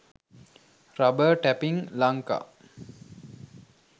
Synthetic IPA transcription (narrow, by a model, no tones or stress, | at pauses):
ɾabəʈæpiŋlaŋka̰